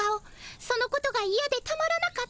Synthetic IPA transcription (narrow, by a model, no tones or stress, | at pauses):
ao | so̞no̞ko̞t̪o̞ɡaijad̪e̞t̪amaɾanaka